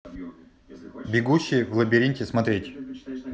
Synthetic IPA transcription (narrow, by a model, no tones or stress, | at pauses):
bʲɪɡuɕːɪjvlˠəbʲɪɾʲinʲtʲɪsmɐt̪ɾʲetʲ